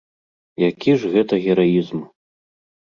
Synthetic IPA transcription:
jakʲiʐɣɛt̪ɐɣʲɛɾajizm

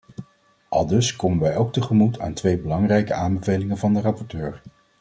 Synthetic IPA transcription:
ʔɑ̰lˠdɵskoməʋɛjowk̚təχəmutʰa̰ːntʋejbəlɑŋrɛjkəaːmbəvejlɪŋəvɑndərɑpɔɹtøːɹ

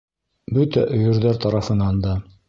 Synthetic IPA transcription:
bɵt̪æʔɵ̆jɘ̆ɾðæɾt̪ɑɾɑfɤ̆nɑnd̪ɑ

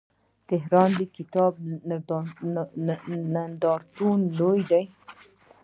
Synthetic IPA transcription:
t̪ɪɦɾɑnd̪əkɪt̪ɑb | nand̪ɑɾt̪unlojd̪aj

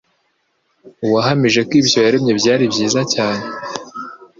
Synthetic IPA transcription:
uwaɦamiʒe̞kwiːbjo̞jaɾemɲe̞bɟaːɾibɟiːzacaːɲe̞

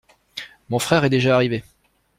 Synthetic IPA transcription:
mɔ̃fχɛʁɛd̪eʒaːʁive

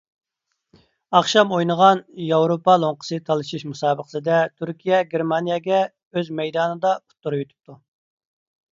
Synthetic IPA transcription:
ɑχʃɑmojnəʁɑnjɑwɾopʰɑlˠoŋqʰə̥sɨt̪ʰɑlˠɨʃiʃmusɑːbəqə̥sɨd̪ɛt̪ʰyɾkʲʰijɛɡʲeɾmɑnijɛɡʲɛ | øzmɛjd̪ɑːnɨd̪ɑu̥t̪ʰːuɾɨjyt̪ʰy̥p̚t̪ʰu

